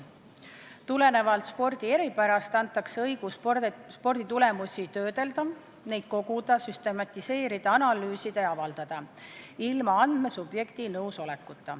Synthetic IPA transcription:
t̪ule̞ne̞vɑlt̪spo̞rd̪̥ie̞ɾipæɾɑst̪ɑnt̪ˑːɑkseɤjɡ̥usspo̞rd̪̥it̪ule̞musʲit̪ø̞ːd̪e̞ld̪̥ɑ | nejd̪̥̚ko̞ɡ̥ud̪̥ɑsyst̪e̞mɑt̪ʲːˑise̞ːɾid̪̥ɑɑnɑlyːsid̪eɑvɑld̪̥ɑd̪̥ɑilmɑɑnd̪̥me̞sub̥je̞kt̪inɤwso̞le̞kːˑut̪ːˑɑ̰

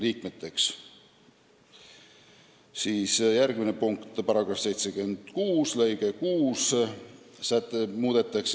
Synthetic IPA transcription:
liːk̚met̪ːˑe̞ks | siːsjærɡ̥minepuŋkt̪ˑpɑɾɑɡ̥rɑfse̞jt̪se̞ɡyend̪̥kuːsle̞jɡ̥e̞kuːs | sæt̪ˑːemuːd̪̥e̞t̪ːˑɑkse

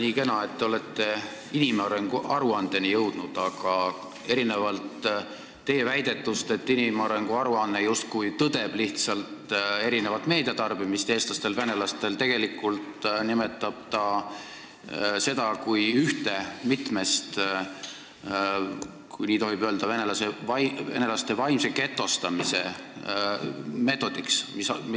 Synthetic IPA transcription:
niːkenɑe̞t̪ːeo̞le̞t̪ːe̞ | inimɑɾe̞ŋɡ̥uʔɑɾuɑnd̪̥e̞nijɤwd̪̥nud̪̥ɑɡ̥ɑ | e̞ɾine̞vɑlt̪ː | e̞ːvæjd̪̥e̞t̪ːˑust̪e̞t̪ːinimɑɾe̞ŋɡ̥uɑɾuɑnːejust̪̚kujt̪ɤd̪̥e̞b̥liht̪sɑlt̪e̞ɾine̞vɑt̪ːˑme̞ːd̪̥ɑt̪ɑrbimist̪e̞ːst̪lɑst̪e̞lvæne̞lɑst̪e̞lt̪e̞ɡ̥e̞likːˑult̪nime̞t̪ːˑɑb̥̚t̪ɑ | se̞d̪̥ɑkujyht̪e̞mit̪me̞st̪ | kujniːt̪o̞ɦibø̞ld̪̥ɑve̞nelɑseɑve̞̰ne̞lɑst̪e̞vɑjmse̞ke̞t̪ːˑo̞st̪ɑmise̞ | me̞ːt̪ːˑo̞d̪iksmis

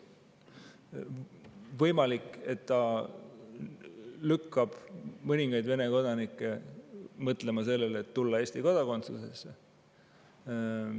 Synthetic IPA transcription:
vɤjmɑlikːˑe̞t̪ːɑ | lykːɑb̥mɤnʲiŋɡ̥ɑjd̪ve̞ne̞ko̞d̪̥ɑnikːˑe̞mɤt̪le̞mɑse̞lːe̞let̪ːulːɑe̞ːsʲt̪iko̞d̪̥ɑko̞nt̪suse̞sːe

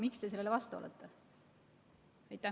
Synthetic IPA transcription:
mikst̪e̞seleevɑst̪uɑ̰lḛt̪ˑːe | ɑjt̪ːˑæ

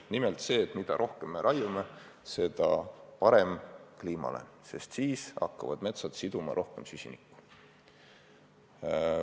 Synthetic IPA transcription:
nimelt̪se̞ːt̪ˑmid̪̥ɑ̰ɾʔo̞hkemːe̞ɾʔɑjume | se̞d̪̥ɑpɑɾe̞mkliːmɑ̰le̞̰ | se̞st̪siːsɑ̰kːɑvɑ̰d̪me̞t̪sɑt̪sid̪̥umɑ̰ɾʔo̞hke̞msysʲinikːˑu̥

